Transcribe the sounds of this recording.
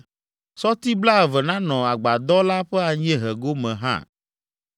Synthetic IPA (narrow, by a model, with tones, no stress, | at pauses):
sɔ˦t̪i˦bla˦ɛ˨vɛ˨nã˦nɔ̃˨a˨ɡ͡ba˨d̪ɔ˦la˦ɸɛ˦a˨ɲ˦ɛ̃˦ɦɛ˨ɡo˦mɛ̃˨ɦã̰˦˨